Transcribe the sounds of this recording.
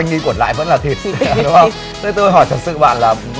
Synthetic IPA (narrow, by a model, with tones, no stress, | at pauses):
jŋʔi˧ku˧˩ənla̰ː˧˨jvə̰˧˥nlaː˨˩t̪ʰi˨˩ət̚ɗʊ˨˦ŋ͡mə˧ŋ͡m | t̪ə˨˦t̪o˧jɦɔ˧˩jt̪ʰə˨˩t̚sɨ̰˧˨ɓa̰ː˧˨nlaː˨˩ | m